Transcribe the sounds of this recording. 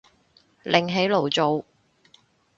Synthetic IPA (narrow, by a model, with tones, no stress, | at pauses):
lʔɪ˨ŋɦe˨˥jlo˨˩wt͡so˨˧w